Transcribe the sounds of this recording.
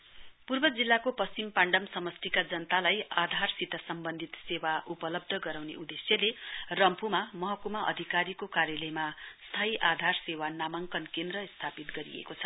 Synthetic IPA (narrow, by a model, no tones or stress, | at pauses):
purbʌd͡zilːakopʌst͡simpaɳɖʌmsʌmʌst̪ʰikad͡zʌnt̪alajad̪ʱarsit̪ʌsʌmbʌnd̪ʱit̪sewaʔupʌlʌb̚d̪ʱʌɡʌɾawnḛʔud̪esjʌlerʌmpumamʌɦʌkumʌʔʌ̰d̪ʱikaɾikokaɾjʌlʌjmast̪ʰaiʔad̪ʱarsewanamʌŋkʌnkend̪rʌst̪ʰapit̪ɡʌɾḭḛkot͡sʰʌ̥